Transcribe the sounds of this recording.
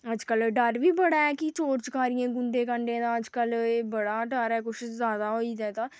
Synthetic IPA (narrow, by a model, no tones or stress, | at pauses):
əd͡ʒkəlɖəɾʋiːbəɽaːɛːkit͡ʃoːɾt͡ʃəkaːɾɪjãːɡʊɳɖẽːkəɳɖẽːd̪ãːəd͡ʒkəleːbəɽaːɖəɾɛːkʊʃzaːd̪aːɦoːiːd̪ɛːt̪aː